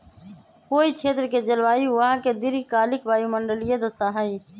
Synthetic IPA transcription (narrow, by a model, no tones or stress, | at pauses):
koːiːt͡ʃʰeːt̪ɾkeːd͡ʒəlʋaːiʋãːkeːd̪ɪɾikaːlɪkbaːjũːməɳɖəlɪjẽːd̪osaːɦaːiː